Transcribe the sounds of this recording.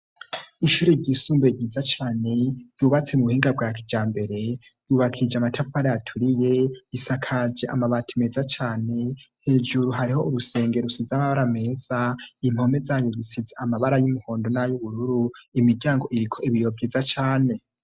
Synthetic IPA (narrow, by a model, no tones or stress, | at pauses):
iʃuːɾeɾɟisuːmbeɟizat͡ʃaːne̞juβat͡se̞muβuhiːŋɡabɡaːki̥d͡ʒaːmbe̞ɾe̞ | juβakʰid͡ʒamatʰafaɾeatʰuɾije̞isakʰad͡ʒeʔamaβatʰime̞ːzat͡ʃaːne̞he̞d͡ʒuɾuɦaɾiho̞ʔuɾuse̞ːŋɡe̞ɾusizamaβaɾame̞ːz̥aim̥ho̞me̞zajoβisizeamaβaɾajumuho̞ːndo̞najuβuɾuɾuimiɾɟaːŋɡo̞ʔiɾikʰo̞iβijo̞bɟizat͡ʃaːne̞